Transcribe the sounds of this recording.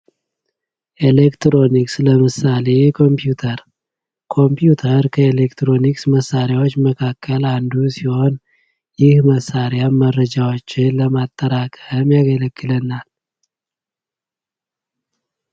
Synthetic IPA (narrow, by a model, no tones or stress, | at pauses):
ʔelekt̪ɾo̞niksləmɨsale̞kʰo̞mpjut̪ʰəɾ | kʰo̞mpʰjut̪ʰəɾkʰəelekt̪ɾo̞niksməsːaɾjawo̞t͡ʃːməkʰakʰːəland̪usiho̞n | jɪhməsːaɾjamːəɾːəd͡ʒawot͡ʃːɪnləmat̪ʼːəɾakʰʼəmjaɡələɡːɨlənal